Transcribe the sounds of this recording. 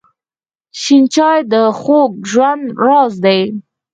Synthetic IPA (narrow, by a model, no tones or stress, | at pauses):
ʃint͡ʃɑjd̪əxoɡ̚ʒwand̪ɾɑzd̪aj